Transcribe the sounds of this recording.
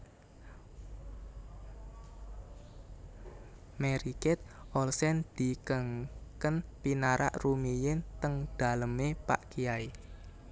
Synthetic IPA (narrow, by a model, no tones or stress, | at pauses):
mɛɾikɪt̪̚ʔɔlsɛnd̪̥i̤kəŋkənpinaɾa̰ʔrumijɪnt̪əŋd̪̥a̤ləmepa̰ʔkijai